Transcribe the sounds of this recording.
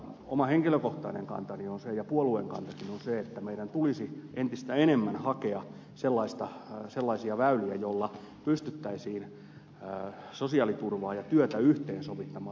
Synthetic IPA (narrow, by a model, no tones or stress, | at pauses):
omɑheŋkiløkoht̪ɑinḛŋkɑ̰nt̪ɑnionsejɑpuoluḛŋkɑ̰nt̪ɑkinonseet̪ːæmeiɾænt̪ulisiʔent̪ist̪æenemːænhɑkeɑ | selːɑist̪ɑselːɑisiɑʋæyliæjolːɑ | pyst̪yt̪ːæisiːn | sosiɑːlit̪urʋɑːjɑt̪yøt̪æyht̪eːnsoʋit̪ːɑmɑː